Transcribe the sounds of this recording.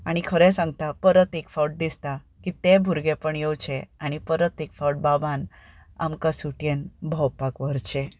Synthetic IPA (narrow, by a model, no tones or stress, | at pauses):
aɽ̃ikʰəɾɛ̃sãŋɡ̚t̪apəɾət̪ekfawʈ̚d̪ist̪a | kit̪ẽbʱuɾɡẽpəɳjewt͡ɕʰeaɽ̃ipəɾət̪ekfawʈ̚babʱan | a̰mkasuʈjenbʱəwpakʋəɾt͡ɕe